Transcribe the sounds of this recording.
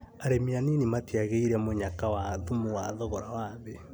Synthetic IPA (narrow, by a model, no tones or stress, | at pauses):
aɾemianinimatiaɣeiɾɛmoɲakawaðumuwaðɔɣɔɾawaðe